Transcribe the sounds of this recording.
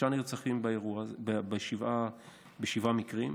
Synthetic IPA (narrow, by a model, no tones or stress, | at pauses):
aniʁt͡saχimbaeʁuaebeʃiva | beʃivamikʁim